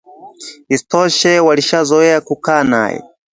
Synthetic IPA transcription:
istɔʃɛwaliʃazɔɛakukaːna̰jɛ̰

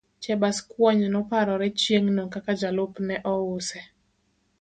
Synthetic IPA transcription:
t͡ʃɛbaskwɔɲnɔpaɾɔɾɛt͡ʃjeŋnokakad͡ʒalʊpnɛʔɔʊsɛ

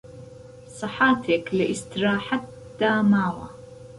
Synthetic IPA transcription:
sˤɨħaːt̪ʰeklɪʔɪst̪ɾaːħat̪ːaːmaːwa

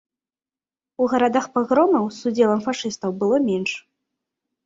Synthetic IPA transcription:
uɣɐɾad̪axpaɣɾɔmɐwsud͡zʲɛlˠɐmfaʂɨst̪ɐwbɨlˠɔmʲɛnʂ

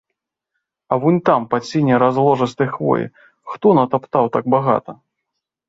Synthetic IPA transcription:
ɐvɔnʲt̪ampat͡sʲinʲɛɾazlˠɔʐɨst̪ɐjxvɔ̰jḭ | xt̪ɔnɐt̪apt̪awt̪aɡ̚baɣa̰t̪ɐ

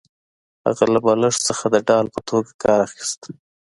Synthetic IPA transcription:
ha̰ɣalabɑləʂsəxad̪əɖɑlpət̪ʰoɡakɑɾaxi̥st̪

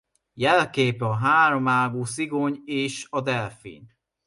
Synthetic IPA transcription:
jɛlkeːpɒɦaːɾo̞maːɡuːs̬iɡoɲeːʃɒd̪ɛlfḭn

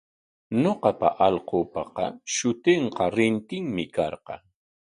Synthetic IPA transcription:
noqɑpa̰ʔɑʎqoːpɑqɑ̰ʃʊt̪eɴqɑɾɪnt̪ɪŋmɪkɑɾqɑ̰

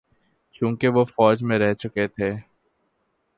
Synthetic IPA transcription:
kjũːkeʋofɔːd͡ʒmẽɾɛɦt͡ʃʊket̪ʰeː

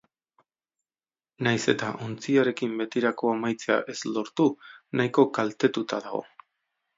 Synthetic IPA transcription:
najse̞t̪aʔont͡siaɾe̞kimbe̞t̪iɾako̞amajt͡sea̰ʔe̞zlo̞ɾt̪unajko̞kalt̪e̞t̪ut̪aðaɣ̞o̞̰

